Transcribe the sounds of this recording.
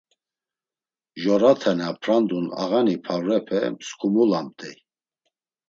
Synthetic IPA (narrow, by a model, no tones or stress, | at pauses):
ʒɔɾat̪ʰɛnapʰɾand̪una̰ɣanipʰavɾɛpʰɛ̰mskʰʼumulamt̪ʼɛ